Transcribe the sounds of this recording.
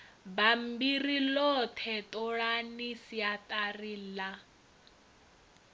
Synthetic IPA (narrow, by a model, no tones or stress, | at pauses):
bam̩birilɔtʰɛtʼɔɺanisiatʼarila